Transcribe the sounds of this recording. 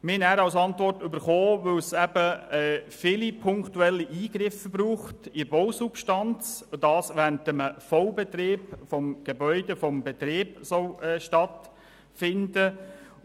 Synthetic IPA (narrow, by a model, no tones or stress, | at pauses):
mɪnæːɾɑwsɑnt̪ʋɔrtʏbəɾχoːʋɵwsɛb̥əɛːfɪlipʰʊŋktuɛlːiʔiːɡɾɪfəbɾuːχtiboʊsupʃtɑnt͡sd̥ɑːsʋæntəməfɔwbɛt̪ɾeːpfɔmɡ̥ebœʏdefɔmbɛt̪ɾeːbsɔʊɛːʃtɑt̪ | fɪndə